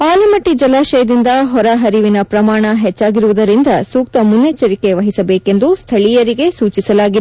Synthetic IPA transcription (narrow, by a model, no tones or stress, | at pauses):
aːlɐmɐʈːid͡ʒɐlaːʃɐjɐd̪ind̪ɐɦɔɾɐɦɐɾiʋinɐpɾɐmaːɳɐɦɛt͡ʃːaːɡiɾuʋud̪ɐɾind̪ɐsuːk̚t̪ɐmunːet͡ʃɐɾike̞ʋɐɦisɐbeːke̞nd̪ust̪ʰɐɭijɐɾiɡe̞suːt͡ʃisɐlaːɡi